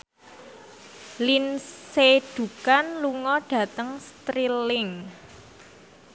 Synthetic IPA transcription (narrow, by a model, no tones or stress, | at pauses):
linseɖ̥ṳkanluŋɔɖ̥ä̤t̪əŋst̪ɾilɪŋ